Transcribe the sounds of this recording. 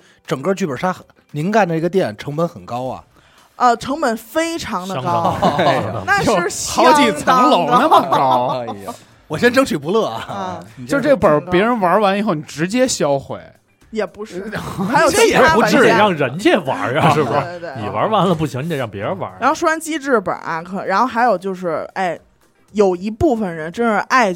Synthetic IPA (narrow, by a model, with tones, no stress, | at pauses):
ʈ͡ʂɤ˨˩ŋkə˥˧t͡ɕy˥˩pə˞˨˩ʂa˥ | ni˧˥nka˥˩ndə˨˩i˧˥ɡə˧jɛ˥˩nʈ͡ʂʰɤ˧˥ŋpə˧˥nxə˨˩nkɑ˥ʊɐ̰˨ | ə˧ʈ͡ʂʰɤ˧˥ŋpə˨˩nfe˥ɪʈ͡ʂʰɑ˧˥ŋd̪ə˧˥˧ | na˥˧o˥˧˥xɑ˧˥ʊt͡ɕi˨˩t͡sʰə˧˥ŋlo˨˩ʊn˧ə˥˧mə˥˨˩ɑ˥ʊ | wɔ˨˩ɕjɛ˥nʈ͡ʂɤ˥ŋt͡ɕʰy˨˩pu˧˥lɤ˥˩ɐ̰˨˩t͡ɕo˥˧ʂʈ͡ʂe˥˩pə˞˨˩˥pjɛ˧˥ɻə˧˥nwa˧˥wa˧˥ni˨˩xo˥˩ʊni˨˩ʈ͡ʂɻ̩˧˥t͡ɕjɛ˥ɕjɑ˥ʊxwe˨˩ɪ | jɛ˨˩pu˧˥ɻ̩˥˩xa˥jo˨˩˥ɛ˨˩˥pu˧˥˧ɻɑ˥˩ŋɻə˧˥nt͡ɕjɛ˥˩wa̰˧˥a˧ʂɻ̩˥˩bə˩˥˩ni˨˩wɐ̰˧˥wa˧˥nlə˧pu˥˩ɕʰi˧˥ŋni˧jɛ˨˩ɻɑ˥˩ŋpjɛ˧˦˥ɻə˧˦nwa̰˧˥a˧˥xo˥˧ʊʂa˥nt͡ɕi˥ʈ͡ʂɻ̩˥˩pə̰˨˩ʔa̰˧kʰɤ˧˩ɻa˧˥nxo˥˩ʊxa˧˥ɪjo˨˩ʊt͡ɕjo˥˧ʊʂɻ̩˥˩a˥˩ɪ | jo˨˩ʊi˧˥pu˥˩fə˨˩nɻə˧˥nʈ͡ʂə˥nʂɻ̩˥˧ʔa˥˧ɪ